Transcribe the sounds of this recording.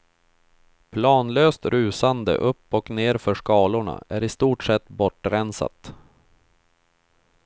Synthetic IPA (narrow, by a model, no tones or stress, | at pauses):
pʰlɑːnløːst̪ɾʉ̟ːsand̪ə̰ʔɵpːɔkneːɾfœʂkɑːlʊɳa̰ʔæɾɪst̪uːʈʂɛt̪ːbɔʈːɾɛnsa̰t̪